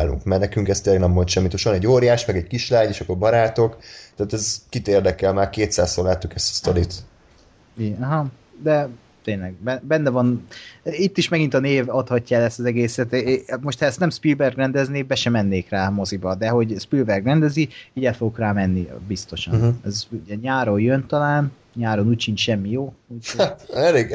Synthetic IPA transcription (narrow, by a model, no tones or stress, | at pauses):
aːlṵŋkmɛrnɛkyŋkɛst̪eːlɛɡnɛmːont̪ʃɛmːit̪oʃɒnɛɟːoːɾjaːʃmɛɡɛɟkiʃlaːɲeːʃɒkːorbɒɾaːt̪o̞kt̪aːt̪ɛzkit̪eːrd̪ɛkɛlmaːrkeːt̪saːssolaːt̪ːukɛst̪ɒ̥st̪olit̪ | iɛɦɒ | d̪ɛ | t̪eːnlɛɡ̚bɛbɛnːɛvɒn | it̪ːiʃmɛɡint̪ɒneːvɒt̪hɒcːaɛlɛst̪ɒzɛɡeːsɛt̪mo̞ʃt̪hɛɛst̪ɛmspilbɛrɡrɛnd̪ɛzneːbɛʃɛmɛnːeːkraːmo̞zibɒd̪ɛɦo̞ɟspilbɛrɡrɛnd̪ɛziiɟɛfoɡokraːmɛnːibist̪o̞ʃɒnɛzuɟɛɲaːɾojjønt̪ɒlaːn | ɲaːɾonuːcʃint͡ʃʃɛmːijoːit̪ɛleːɡ